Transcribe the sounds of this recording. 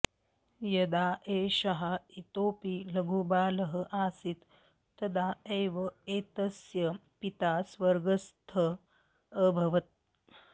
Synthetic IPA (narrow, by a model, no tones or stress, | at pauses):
jɐd̪aːeːʃɐɦait̪oːpiːlɐɡʱuːbaːləɦəʔaːsit̪ː | ɐd̪aeːʋɐeːt̪ɐsjɐpit̪asʋəɾɡəst̪ʰəː | bʱɐʋɐt̪̚